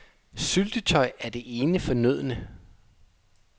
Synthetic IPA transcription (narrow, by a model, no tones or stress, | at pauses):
syld̥ət͡sʰɒ̽ɪæɐd̥e̝ʔe̝ːnəfɒ̽nøð̞̰ˠnə